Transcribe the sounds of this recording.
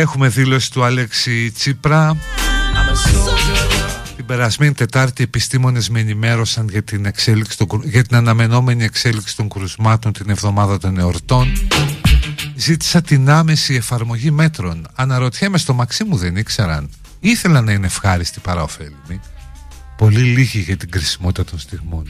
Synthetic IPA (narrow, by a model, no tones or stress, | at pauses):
e̞xume̞ðilo̞si̥t̪uɐleksit͡sipɾɐ | t̪ibe̞ɾɐzmenit̪e̞t̪ɐɾt̪ie̞pist̪imo̞ne̞zmenime̞ɾo̞sɐnʝɐt̪ine̞kse̞liksi̥t̪oɡʝɐt̪inɐnɐme̞no̞me̞nie̞kse̞liksi̥t̪o̞ŋɡɾuzmɐt̪o̞nt̪ine̞vðo̞mɐðɐt̪o̞ne̞oɾt̪o̞n | zit̪i̥sɐt̪inɐme̞sie̞fɐɾmo̞ʝime̞t̪ɾo̞nɐnɐɾo̞t̪çemest̪o̞mɐksimuðe̞nikse̞ɾɐ̰n | iθe̞lɐnːɐinefxɐɾist̪ipɐɾɐo̞fe̞lini | po̞liliʝiʝɐt̪iɡɾisi̥mo̞t̪it̪ɐt̪o̞nst̪iɣmo̞n